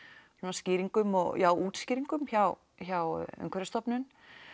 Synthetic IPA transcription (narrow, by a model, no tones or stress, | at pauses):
sɛmascɪːɾiŋkʏmɔɣjʔawuːt̪sciːɾiŋkʏmçaw | çawœ̰ŋkvɛɾst̪ɔpnʏn